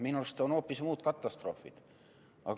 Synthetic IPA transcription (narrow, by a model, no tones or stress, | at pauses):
minust̪onhoːpːˑismuːd̪̥kɑt̪ːˑɑst̪ro̞fḭd̪̥ | ʔɑ̰ɡ